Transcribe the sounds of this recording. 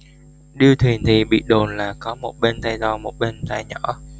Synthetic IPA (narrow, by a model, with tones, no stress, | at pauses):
ɗɨ˧əwt̪ʰwi˨˩ənt̪ʰi˨˩ɓḭ˧˨ɗo˨˩nlaː˨˩kɔ˨˦mo˨˩t̚ɓe˧nt̪a˧jt̪ɔ˧˩mo˨˩t̚ɓe˧nt̪a˧jɲɔ˧˥